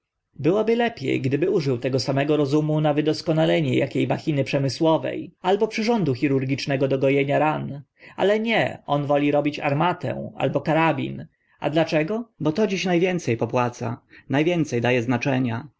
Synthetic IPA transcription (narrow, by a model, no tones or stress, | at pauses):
bɘwɔbɘlɛpʲjɛ̰jɡd̪ɘbɘuʐɘwt̪ɛɡɔsamɛɡɔɾɔzumunavɘd̪ɔskɔnalɛɲɛja̰kʲejmaxʲinɘpʂɛmɘswɔvɛ̰jalbɔpʂɘʐɔnd̪uxʲiɾuɾɡʲit͡ʂnɛɡɔd̪ɔɡɔjɛɲaɾan | a̰lɛɲɛ̰ɔnvɔlʲiɾɔbʲit͡ɕa̰ɾmat̪ɛ̰w̃a̰lbɔkaɾabʲḭn | a̰d̪lat͡ʂɛɡɔbɔt̪ɔd͡ʑiɕnajvʲjɛnt̪sɛjpɔpwat̪sa̰najvʲjɛnt̪sɛjd̪ajɛznat͡ʂɛɲa